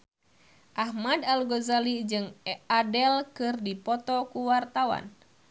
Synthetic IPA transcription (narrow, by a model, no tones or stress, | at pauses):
ʔahmadalɡɔzalid͡ʒɨŋadɛlkɨrdipɔt̪ɔkuwart̪awa̰n